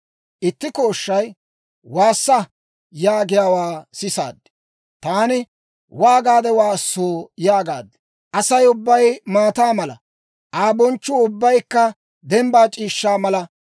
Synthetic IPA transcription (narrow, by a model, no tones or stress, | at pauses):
ʔɪt̪ːɪko̞ːʃːɐj | waːsːɐ | jaːɡɪjaːwaːsɪsa̰ːd̪ːɛ̥ | t̪aːnɪ | waːɡaːd̪ɛwaːsːoːjaːɡa̰ːd̪ːɛ̥ | ʔɐsɐjʊbːɐjmaːt̪aːmɐlɐ̰ | ʔaːbɔnt͡ʃːʊʊbːɐjkːɐ | d̪ɛmbaːt͡ʃʼiːʃːaːmɐlɐ